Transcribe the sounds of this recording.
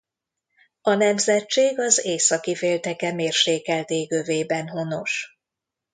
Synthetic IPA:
ɒnɛmzɛt͡ʃt͡ʃːeːɡɒzeːsɒkifeːlt̪ɛkɛmeːrʃeːkɛlt̪eːɡøveːbɛnɦo̞no̞ʃ

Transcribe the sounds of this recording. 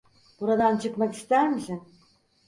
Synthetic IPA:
buɾɑd̪ɑnt͡ɕɯqmɑkist̪æɾmʒɘn

